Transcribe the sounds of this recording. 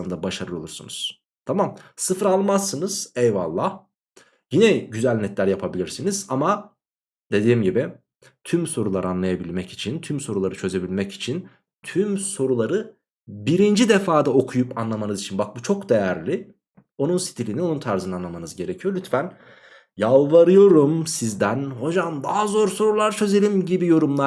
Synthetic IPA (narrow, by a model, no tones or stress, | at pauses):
ɯnd̪abaʃaɾɯo̞lˠuɾsṵnuz̥ | t̪ʰamamsɯfɾalˠmasːɯnɯz̥ɛjva̰lˠːah | jinɛɟyzælʲnɛt̪ʰlʲæɾjapʰabilʲiɾsiniz̥ama | d̪e̞d̪iːmɟibɪ | t̪ʰymso̞ɾulˠaɾɯanlˠajabilʲmɛci̥t͡ʃʰint̪ʰymso̞ɾulˠaɾɯt͡ʃʰø̞ze̞bilʲmɛci̥t͡ʃʰin | t̪ʰymso̞ɾulˠaɾɯ | biɾind͡ʒid̪efaːd̪ao̞kʰujupanlˠamanɯzit͡ʃʰinbak̚but͡ʃʰo̞kd̪e̞jæɾlʲi | o̞nunsi̥t̪ʰilʲinio̞nunt̪ʰaɾzɯnanˠamanɯzɟe̞ɾe̞cʰijo̞lʲyt̪fæn | jalˠvaɾɯjo̞ɾumsizd̪ænho̞d͡ʒamd̪aɦazo̞ɾso̞ɾulˠaɾt͡ʃʰø̞ze̞lʲimɟibijo̞ɾumlˠa